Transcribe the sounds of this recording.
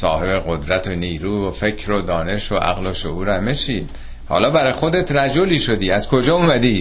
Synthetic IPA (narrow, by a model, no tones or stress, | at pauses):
sɒːhe̞be̞ɣod̪ɾæt̪ʰoniːɾuːvofe̞cʰɾod̪ɒːne̞ʃoʔæ̰ɣloʃo̰ʔuːɾæmːeʃiːd̪̥ | hɒ̰ːlɒːbæɾɒjxo̞d̪e̞t̪ʰɾæd͡ʒoliːʃod̪iːæz̥kʰo̞d͡ʒɒːumæd̪iː